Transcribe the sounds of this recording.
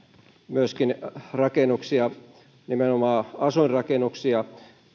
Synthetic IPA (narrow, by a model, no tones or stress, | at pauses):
myøskinrɑkenuksiɑ | nimenomɑːɑsuirrɑkenuksiɑ